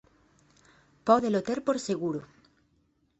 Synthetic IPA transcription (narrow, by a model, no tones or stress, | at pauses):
pɔðelot̪eɾpoɾseɣuɾo